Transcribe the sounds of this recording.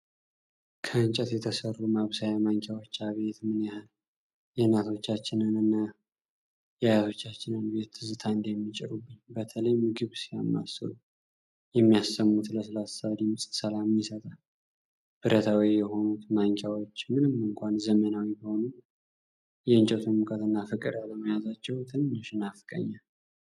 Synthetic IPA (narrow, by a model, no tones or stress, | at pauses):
kʰəɨnt͡ʃʼɛt̪jɛt̪ʰəsərːumaβsajamaŋkʰjawo̞t͡ʃːaβe̞t̪mɨnjahɨl | jɛnːat̪ʰo̞t͡ʃːat͡ʃːɪnɨnɨnːa | jajat̪ʰo̞t͡ʃːat͡ʃːɪnɨnbe̞t̪zɨt̪ʰand̪jɛmːit͡ʃʼɪ̰ɾubːɨɲbət̪ʰələjmɨɡɨβsijamːa̰səɾu | jɛmːijasːəmːut̪ləs̬ɨlassaad̪imɨsʼt̪səlamjɪsət̪ʼal | b̥ɨɾət̪ʰawijɛho̞nut̪maŋkʰʼawo̞t͡ʃːmɨnɨmːɨŋkʷanzəmənawibiho̞nu | jɛɨnt͡ʃʼɛt̪ʰumɨkʰət̪ɨnːafɨkʼɨɾjaləməjazat͡ʃːɛwt̪ʰɨnnːɨʃɨnafɨkʼə̰ɲːal